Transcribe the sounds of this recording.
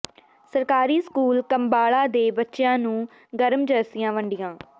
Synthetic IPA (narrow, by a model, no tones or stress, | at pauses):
səɾkaːɾiːskuːlkəmbaːɭãːd̪eːbətːʃɪjãːnũː | ɡəɾmd͡ʒəɾsɪjãːʋəɳɖɪjãː